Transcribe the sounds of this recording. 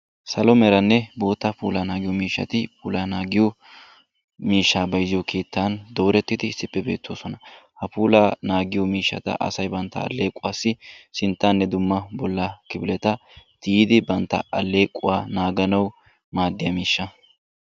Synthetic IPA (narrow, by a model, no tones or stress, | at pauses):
sɐlɔmɛɾɐnːɛbo̞ːt̪ːɐpṵːlanaːɡɪjɔmiːʃːɐ̰t̪ɪpʰuːlaːnaːɡɪjɔ | miːʃːaːbɐjzɪjɔkʰe̞ːt̪ːand̪o̞ːɾɛt̪ːɪd̪ɪsɪpʼːɛbeːt̪ʰːoːsɔnɐhɐpuːlanaːɡɪjɔmiːʃːɐ̰t̪ɐ̰ʔɐ̰sɐjbɐnt̪ːɐ̰ɐ̰lːe̞ːkʼːʊwaːsːɪsɪnt̪ːanːɛd̪ʊmːɐbɔlːɐkɪbɪlɛt̪ɐt̪iːd̪ɪbɐnt̪ːɐ̰ɐlːe̞ːkʼːʊ̰waːnaːɡɐnɐw | maːd̪ːɪjɐmiːʃːɐ